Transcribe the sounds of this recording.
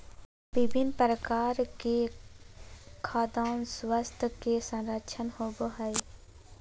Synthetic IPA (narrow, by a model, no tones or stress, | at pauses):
bɪbʱɪnpɾəkaːɾke | kʰaːd̪aːnswəst̪ʰkesə̃nɾəkʃʰənhoboɦəj